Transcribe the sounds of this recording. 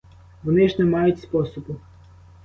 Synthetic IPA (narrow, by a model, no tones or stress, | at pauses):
ʋɔnɪʒnɛmɑjʊtʲspɔsɔbʊ